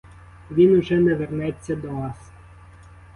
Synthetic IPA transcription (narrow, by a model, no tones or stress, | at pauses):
ʋʲinʊʒɛnɛʋernɛt͡sʲːɐd̪ɔʋɑs